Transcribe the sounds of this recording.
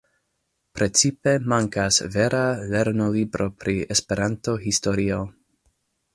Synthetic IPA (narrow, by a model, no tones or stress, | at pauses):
pɾʔe̞t͡sipe̞maŋkasve̞ɾʔale̞ɾnolibɾʔo̞pɾʔiespe̞ɾanto̞histo̞ɾio